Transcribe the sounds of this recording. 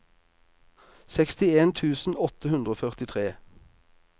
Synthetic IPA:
sɛkst̪ɪeːnt̪ʰʉːsn̩ɔt̪əhʉnd̪ʁəoːfœʁt̪ɪt̪ʰʁeː

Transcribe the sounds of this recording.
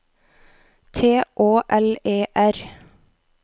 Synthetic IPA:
t̪ʰeːʔoːʔɛleːʔæɾ

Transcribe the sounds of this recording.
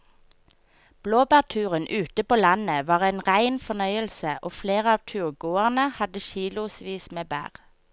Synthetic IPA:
b̥loːbæːʁt̪ʰʉːʁənʔʉːt̪əpoːlɑnəʋɑːʁeːnʁæɪnfɔnœʏəlsəʔoːfleːʁɑːʋt̪ʰʉːʁɡoːəʁnəhɑd̪əʃiːlʊsʋiːsmeːbæ̰ːʁ

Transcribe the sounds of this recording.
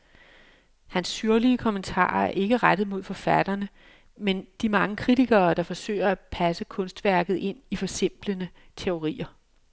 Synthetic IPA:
hænsːyɐliəkʰɒ̽mənt͡sʰɑ̰̈ːɐæɐʔe̝ɡ̥əʁad̥ð̩ˠmo̝ð̞̰ˠfɒ̽fæd̥ɐnə | mend̥imɑ̈ŋəkʰʁit͡sʰiɡ̥ɐːd̥ɑ̈fɒ̽sø̰ːɪɐæpʰæsəkʰɔ̽nsd̥ʋæɐɡ̥ð̞̩ˠe̝n̰ifɒ̽sem̰b̥lənə | t͡sʰe̝o̝ʁḭːɐ

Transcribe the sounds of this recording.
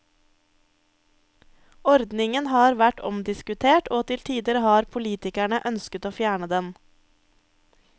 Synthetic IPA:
ɔɾd̪nɪŋənhɑːɾʋæʈɔ̰md̪ɪskʉt̪ʰeːʈoːt̪ʰɪlt̪ʰiːd̪əɾəhɑːɾpʰʊliːt̪ɪkæɳəʔœnskət̪oːfjæːɳəd̪ɛn

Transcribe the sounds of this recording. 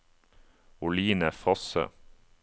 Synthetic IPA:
ʊliːnəfɔsə̰

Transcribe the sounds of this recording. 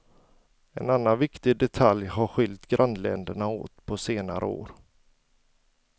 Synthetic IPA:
ɛ̰nanːanvɪkt̪ɪd̪ɛt̪ʰaljɦaɾɧʏlt̪ɡɾʔand̪lɛ̰nd̪əɳao̰ːt̪pʰɔseːnaɾəo̰ːɾ

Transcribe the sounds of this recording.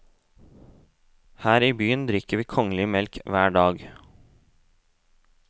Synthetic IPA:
hæːɾiːbyːənd̪ɾɪkəʋiːkʰɔŋlɪmɛlkʋæːɖɑːɡ

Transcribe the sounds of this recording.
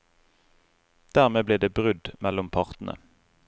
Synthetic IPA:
d̪̥æːʁmeːbliːʁd̪eːbʁʉd̪mɛlʊmpʰɑʁt̪n̩ʔə̰

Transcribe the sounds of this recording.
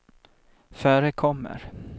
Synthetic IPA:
fœːɾəkʰɔmːə̰ɾ

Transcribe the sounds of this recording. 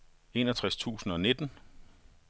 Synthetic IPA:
e̝̰ːnɒt͡sʰʁast͡sʰṵːsn̩ɒ̽ne̝d̥n̩

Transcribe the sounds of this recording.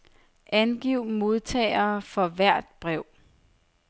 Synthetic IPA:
ʔænɡ̥iʊ̰mo̝ð̞ˠt͡sʰɛ̰ːɐːfɒ̽ʋæɐ̰d̥b̥ʁɛʊ̰

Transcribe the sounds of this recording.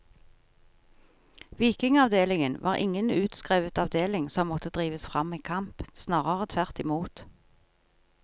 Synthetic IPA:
ʋiːkɪŋɑʋd̪eːlɪŋənʋʔɑ̰ːʁʔɪ̰ŋənʉːt̪skʁeːʋət̪ɑʋd̪eːlɪŋsɔmɔt̪əd̪̥ʁiːʋəsfʁɑmiːkʰɑmpsnɑːʁəʁət̪ʰʋæʁt̪ɪmuːt̪

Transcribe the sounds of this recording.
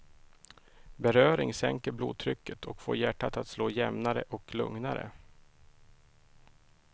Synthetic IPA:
bɛɾœːɾɪŋsɛŋkəɾbluːd̪̚t̪ʰɾʏkʰːət̪ʰɔkfo̰ːɾjæʈːat̪at̪sloːjɛmnaɾəʔɔklɵŋna̰ɾə̰

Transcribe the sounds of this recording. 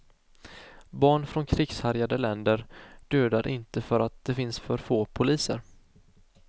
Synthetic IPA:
bɑːɳfɾɔnkʰɾɪɡshaɾjad̪əlɛnd̪əɾɖ̥øːd̪aɾʔɪnt̪əfœɾat̪̚d̪ɛfɪnsfœɾfoːpʰʊliːsə̰ɾ

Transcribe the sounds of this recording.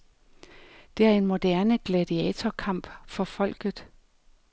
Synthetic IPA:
d̥e̝æɐe̝nmo̝d̥æɐnəɡ̥læd̥iɛːt͡sʰɒkʰɑ̈m̰b̥fɒ̽fɒ̽l̰ɡ̥ð̩ˠ

